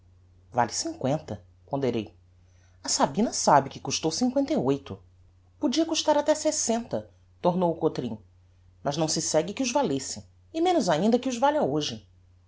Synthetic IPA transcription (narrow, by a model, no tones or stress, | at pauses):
va̰lɪsĩŋkwẽnt̪ɐ | põnd̪eɾej | ɐsabĩnɐsabɪkɪkuʃt̪owsĩŋkwẽnt̪ɐjojt̪ʊ | pod͡ʒiɐkuʃt̪aɾat̪ɛsesẽnt̪ɐ | t̪oɾnowʊkot̪ɾḭ̃ | mɐznɐ̃w̃sɪsɛɡɪkɪʊzvalesɪ | ɪmẽnʊzaĩnd̪ɐkɪʊzvaʎɐoʒɪ